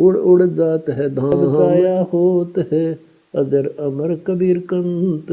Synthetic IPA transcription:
ʊɽʊɽd͡ʒaːt̪ɦɛd̪ʱãbzaːjaːhoːt̪ɦɛ | ɐd̪əɾɐməɾkəbiːɾkɐnt̪

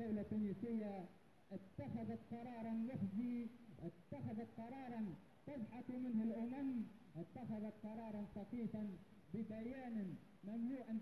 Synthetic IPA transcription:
awlat̪ːuːniːsɪjːa | ʔɪt̪ːaxaðat̪̚qɑɾˤɑːɾˤɑnwafziːʔɪt̪ːaxaðat̪̚qɑɾˤɑːɾˤɑn | t̪aðħat̪mɪnhalʔʊmam | ʔɪt̪ːaxaðat̪̚qɑɾˤɑːɾˤɑnfɑqiːfan | bɪbajaːnan | mamluːʔan

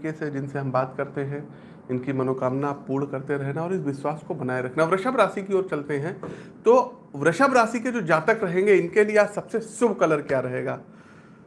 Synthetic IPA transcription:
kesed͡ʒɪnseɦɐmbaːt̪kɐɾt̪eɦɛ̃ | ɪnkimɐnoːkaːmnapuːɽkɐɾt̪eɾɐɦnaɔːɾɪsʋɪswaːskobɐnaːeɾɐkʰnaʋɾɐʃəbɾaːsikioːɾt͡ʃɐlt̪eɦɛ̃ːt̪oː | ʋɾɐʃəbɾaːsiked͡ʒoːd͡ʒaːt̪əkɾɐɦẽːŋɡeɪnkelieaːsɐbsesʊbʱkɐləɾkjaɾɐɦeːɡaː

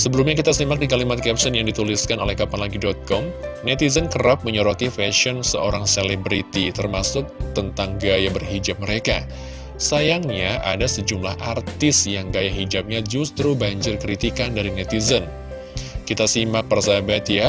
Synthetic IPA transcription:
səbəlumɲakit̪asimak̚dikalimat̪̚kɛpsənjaŋdit̪uliskanolɛhkapanlaɡidɔt̪̚kɔmnɛt̪izənkərɾap̚məɲɔɾɔt̪ifɛʃɔnsəoɾaŋselebɾit̪it̪ərmasʊk̚t̪ənt̪aŋɡajabərɦid͡ʒap̚məɾeka | sajaŋɲaʔa̰dasəd͡ʒumlahʔart̪ɪsjaŋɡajaɦid͡ʒap̚ɲad͡ʒust̪ɾubaɲd͡ʒɪrkɾit̪ikandaɾinɛt̪izən | kit̪asimak̚pərsabat̪ija

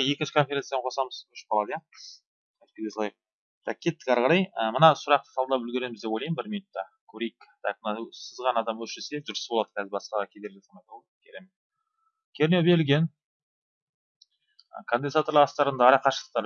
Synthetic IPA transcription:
je̞kʲɪnʃɪkʰo̞nfʲeɾesijaqʰo̞sɑməzʏʃpɑlˠɑd̪jɑ | ɑj̪kʰʲed̪eslˠɑjq̚ | t̪ʰɑk̚kʲʰe̞t̪ːɪ̥kʲɑɾʁɑɾɑjəmənɑsʊɾɑq̚t̪ə̥sʰɑlˠd̪ɑpʏlɡ̪ʲeɾe̞mɪzd̪epojlˠɑjmbɪɾminʊt̪ːɑkʲʰɵɾejkt̪ʰɑk̚mənɑsəzʁɑnɑd̪ɑmwɵsʒeseeʒʊɾsə̥bolˠɑd̪ə̥kʰʲæzɪɾbɑsqɑʁkʲʰe̞d̪elʲɪsɑnɑt̪ɑw | kʲʰeɾem | kʲʰeɾnobe̞ɾɪlɡʲe̞n | kʰənd̪enzat̪oɾlˠɑʁɑst̪ɑɾənd̪ɑɑɾɑqɑʃəlˠəq̚t̪ɑɾ

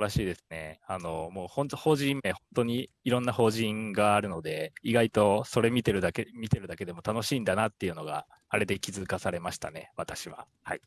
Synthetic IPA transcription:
ɾaɕiːd̪e̞sɨ̥ne̞̰ano̞mo̞ːhõ̞nt̪oho̞ːʑĩmːe̞hõ̞nt̪o̞ɲ̟iiɾõ̞nːaho̞ːʑĩŋɡaːɾɯ̟no̞d̪e̞iɡait̪o̞so̞ɾe̞mʲit̪e̞ɾɯ̟d̪akemʲit̪e̞ɾɯ̟d̪ake̞d̪e̞mo̞t̪ano̞ɕĩːnd̪anat̪ːe̞iɯ̟no̞ɡa̰ | aɾe̞d̪e̞kʲizɨkasaɾe̞maɕi̥t̪a̰ne̞̰βat̪aɕiβa̰ | ha̰i

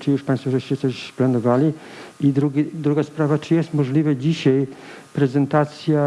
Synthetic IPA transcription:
t͡ʃijuʂpajnst̪vɔʒɛɕt͡ɕɛsɔɕplanɔvali | id̪ɾuɡid̪ɾuɡaspɾavat͡ʃijɛst̪mɔʒlivɛd͡ʑiɕaj | pɾɛzɛnt̪at̪sija

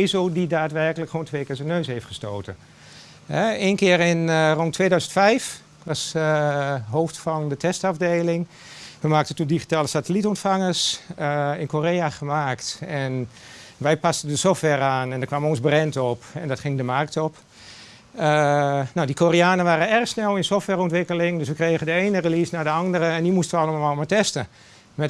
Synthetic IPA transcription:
zoːdidaːtʋɛrkələkχoːntʰʋeːkɪːɹsənøːshejftχəstoːtə | ɦɛeːnkɪərɪnrontʰːʋeːdœɥzəntfɛjf | ʋas | ɦoːftfɔndətʰɛstafdeːlɪŋ | ʋəmaːktəntundixi̥taːləsatəlitɔntfaŋəs | ɪnkoːreːaxəmaːktɛnʋɛjpastəndəsɔftʋɛraːnɛndəkʋamonzbrɛntɔpɛndɔtxɪŋdəmark̚tɔp | ənawdikʰoriaːnəʋaːɾəɛrəxsnɛlˠɪnsoftʋɛrɔntʋɪkəlɪŋdʏs̬ʋəkreːɣəndəeːnərəliːsnaɹdəɑndəɾəɛndimustəʋəɑlˠəmalˠmalˠmatɛstə | mɛ

